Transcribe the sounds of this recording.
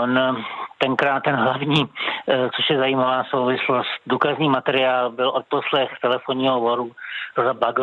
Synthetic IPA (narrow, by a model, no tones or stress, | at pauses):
ont̪ɛŋkɾaːt̪̚ːɛnɦlavɲiːt͡soʃjɛzaiːmavaːsowvɪslo̞st̪̚duːkazɲiːmat̪ɛɾɪaːlbɪlʔot̪̚po̞slɛxt̪ɛlɛfoɲiːɦovoɾuɾozabaɡ